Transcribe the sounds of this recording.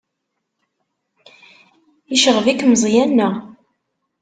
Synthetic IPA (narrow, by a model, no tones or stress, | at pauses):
iʃəʁvikːməzˤjænːæ